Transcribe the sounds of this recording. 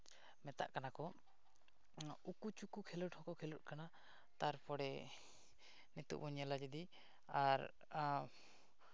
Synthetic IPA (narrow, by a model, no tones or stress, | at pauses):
mɛt̪a̰ʔkanakɔ | ukut͡ʃukukʰɛləʈhɔkɔkʰɛlət̚kana | t̪aɾpɔɽɛ | net̪ṵʔbɔɲɛlad͡ʒɛd̪i | aɾ